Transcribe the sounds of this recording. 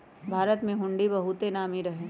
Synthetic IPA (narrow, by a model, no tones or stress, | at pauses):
bʱaːɾət̪mẽɦʊ̃ɳɖibɐɦut̪enaːmiɾɐɦẽː